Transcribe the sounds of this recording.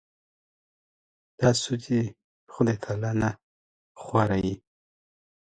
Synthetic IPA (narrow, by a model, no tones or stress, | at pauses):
d̪̥ɑsut͡si | xʊd̪ekʰalana | xwaɾaji